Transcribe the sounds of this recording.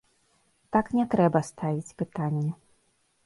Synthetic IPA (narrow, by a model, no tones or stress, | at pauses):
t̪aknʲɛt̪ɾɛbɐst̪avʲit͡sʲpɨt̪anʲːɛ